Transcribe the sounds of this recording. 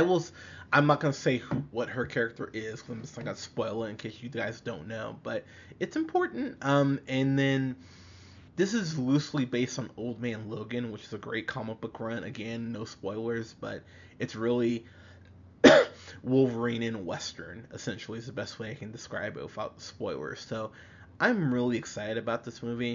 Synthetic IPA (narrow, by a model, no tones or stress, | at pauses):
aɪwɪlˠsʔãɪ̃mnət̚ɡ̥ʌnəseɪhwʌt̚hə˞kʰɛɹɨk̚tə̰˞ʔɪz̥kʰʌ̃sãɡənspɔɪlˠə̃ɨ̃nkʰɪt͡ʃɨðɡaɪzdõʊ̃nːoʊb̥ʌɾ | ɨtsɨ̃mpʰɔɹʔn̩t̚ʔʌ̃mɨ̃nðɨ̃n | ðɪsɨzlʉsl̩ˠibeɪstn̩oʊlˠd̚mæ̃nloʊɡɨ̃nwət͡ʃɨzɨɡɹḛɪt̚kʰɑməb̥ʊkʰɹʌ̃nɨ̰ɡɛ̃nːoʊspɔɪlˠə˞zb̥ʌ̰ɾ | ɨtsɹɪlˠi | wʊlˠvɹẽɪ̃nɨ̃nwɛstə̰̃˞nɨ̰sɛ̃nʃl̩ˠiɨzðəbɛst̚weɪaɪkɨ̃n̩dɨskɹa̰ɪb̰̚wɨfaʊt̪̚ðəspɔɪlˠə̰˞z̥soʊ | ʔãɪ̃mɹɪlˠiɨksaɪɾɨɾɨbaʊt̪̚ðɪsmʉvi